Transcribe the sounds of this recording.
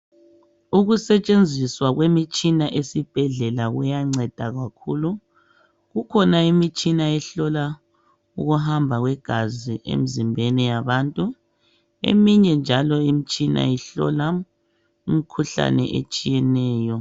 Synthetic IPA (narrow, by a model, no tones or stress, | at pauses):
uɣusɛt͡ʃʼend͡zʱiswaɣwemit͡ʃʼinaʔesib̥ʱɛɮɛlaɣujaŋ͡ǀɛd̥ʱaɣakʰuːlu | ɣukʰɔnaimit͡ʃʼinaɛɬɔla | uɣuɦambʱaɣwɛɡ̥ʱaziʔḛmizimbʱenɛjaβantʼu | ḛmiɲɛnd͡ʒʱalɔimit͡ʃʼina̰jɛɬɔ̰la | umikʰuɬa̰nɛ̰ʔḛt͡ʃʼijɛnɛːjɔ